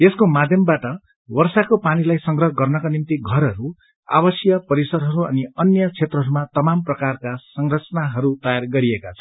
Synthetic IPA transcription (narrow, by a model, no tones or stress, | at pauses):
eskomad̪ʱjʌmbaʈʌ | wʌrsakopanilajsʌŋɡrʌɦɡʌrnʌkanimt̪iɡʱʌɾɦʌɾu | a̰bʌsjʌpʌɾisʌɾɦʌɾuʌ̰niʌnjʌt͡sʰet̪rʌɦʌɾumat̪ʌmamprʌkarkasʌŋrʌt͡sʌnaɦʌɾut̪ʌjarɡʌɾiekat͡sʰʌ̥